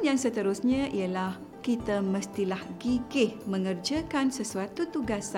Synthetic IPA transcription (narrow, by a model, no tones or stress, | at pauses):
njaŋsət̪əɾʊsɲãʔijalah | kit̪amə̃st̪ilahɡiɡɪhmə̃ŋərd͡ʒakansəsuat̪ut̪uɡasa